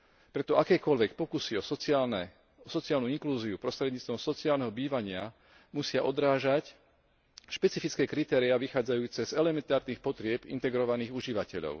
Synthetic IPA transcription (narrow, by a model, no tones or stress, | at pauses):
pɾɛt̪ɔʔakɛːkɔʎʋɛk̚pɔkusiɔsn | ɔsɔt͡siaːlnuiŋkluːziupɾɔst̪ɾɛd̪ɲiːt͡st̪ʋɔmsɔt͡siaːlnɛɦɔbiːʋaɲɪa | musɪaʔɔd̪ɾaːʒac | ʃpɛt͡sifit͡skɛːkɾit̪ɛːɾiaʋixaːd͡zajuːt͡sɛzɛlɛmɛnt̪aːɾniːxpɔt̪ɾɪɛbḭnt̪ɛɡɾɔʋaniːɣuʒiʋacɛʎɔ̰ʊ